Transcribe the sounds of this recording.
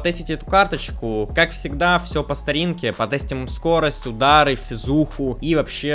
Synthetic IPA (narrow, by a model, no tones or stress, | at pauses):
t̪ɛsʲɪtʲɛt̪ʊkart̪ət͡ɕkʊkakfsʲɪɡd̪afsʲo̞pəst̪ɐɾʲinkʲɪpɐt̪ɛsʲtʲɪmmsko̞ɾəsʲtʲʊd̪aɾɨfʲɪzuxʊivɐpɕːe